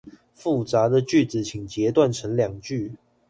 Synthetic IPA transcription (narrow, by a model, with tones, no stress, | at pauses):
fu˥˩t͡sa˨˧˥d̪ə˨t͡ɕy˥˨˩t͡sɹ̩˨˩t͡ɕʰi˨˩ŋt͡ɕjɛ˨˧˥t̪wa˥˨nʈ͡ʂʰə˧˥ŋljɑ˨˩ŋt͡ɕy˥˨